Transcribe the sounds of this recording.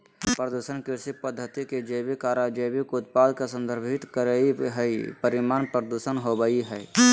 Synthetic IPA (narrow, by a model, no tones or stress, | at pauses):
pɾəd̪uʃənkɪɾsipəd̪ʱːət̪iked͡ʒebikaːɾaːd͡ʒebikʊt̪̚paːd̪ʱkasə̃nd̪ʱəɾbʱɪt̪kəɾəiɦɛipəɾɪmaːnpɾəd̪uʃənɦobəiɦɛː